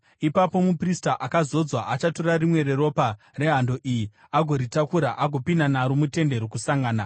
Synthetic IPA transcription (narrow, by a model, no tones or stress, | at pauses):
ipapo̞mupristaʔakazo̞d͡zwaʔat͡ʃato̞rarimwe̞ɾe̞ro̞pa | re̞ɦando̞ʔiji | aɡʱo̞ɾitakuɾaʔaɡʱo̞pinanaɾomute̞nde̞ɾokusaŋɡaːna